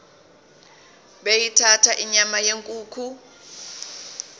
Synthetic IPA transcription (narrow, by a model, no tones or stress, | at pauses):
ɓejitʰatʰaʔiɲamajeŋkʼuːkʰu